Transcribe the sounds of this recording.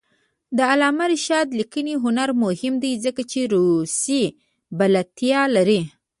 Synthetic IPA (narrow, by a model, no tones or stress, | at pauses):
d̪əalɑmaɾɪʃɑd̪likəniɦʊnaɾmʊhɪmd̪ajzəkat͡ʃeɾusi | balat̪jɑlaɾi